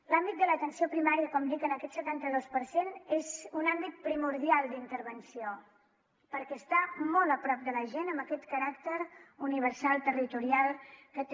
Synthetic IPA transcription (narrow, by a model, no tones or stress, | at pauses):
lambit̪̚d̪ələt̪ənsiopɾimaɾiəkɔmd̪ikənəkɛt̪sət̪ant̪əðospəɾsenezunambit̪̚pɾimuɾðialˠd̪int̪əɾβənsio | pəɾkɛəst̪amɔlˠəpɾɔp̚d̪ələʒenəmbəkɛt̪kəɾakt̪əɾuniβ̞əɾsalˠt̪ərit̪uɾialˠkət̪